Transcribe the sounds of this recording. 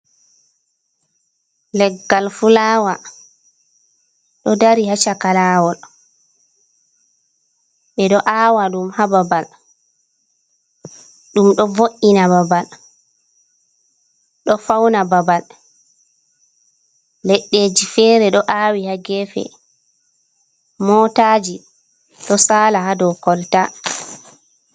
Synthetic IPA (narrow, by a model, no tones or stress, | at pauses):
lɛɡːalfulaːwa | ɗɔdaɾihat͡ʃakalaːwɔl | ɓɛɗɔʔaːwaɗumhababal | ɗumɗɔvoʔinababal | ɗɔfawnababal | lɛɗːeːd͡ʒifɛːɾɛɗɔʔaːwihaɡɛfɛ̰ | mɔtaːd͡ʒi | ɗɔsaːlahadɔwkɔlta